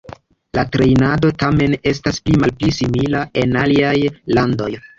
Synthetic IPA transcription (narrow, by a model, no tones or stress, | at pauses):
latɾe̞jnado̞tame̞ne̞s̬tasplimalplisimilae̞naliajlando̞j